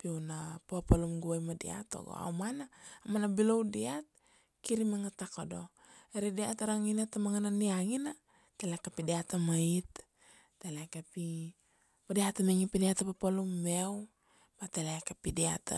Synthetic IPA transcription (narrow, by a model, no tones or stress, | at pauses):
piunapapalumɡuajmadḭa̰to̰ɡo̰a̰wmanaːmanabilowdiat̪̚ | kiɾimaŋatakodo̞ | eɾidiataɾaŋinatamaŋananiaŋina | telekapidiatamait̪ː | elekapi | padiatameŋipidiatapapalumːew | batelekapidia̰ta̰